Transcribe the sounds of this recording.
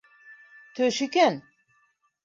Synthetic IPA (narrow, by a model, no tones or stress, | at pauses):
t̪ʰøʃikæn